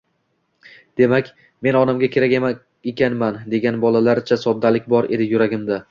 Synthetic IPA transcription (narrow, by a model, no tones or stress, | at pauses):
d̪̥e̞makʲ | me̞nɒnamɡʲakʲʰe̞ɾakʲema | ekʲʰanmand̪e̞ɡʲanbɒlalaɾt͡ʃʰasɒd̪ːalɪk̚ʲbɒɾe̞̰d̪ɪjʊɾaɡʲɪmd̪a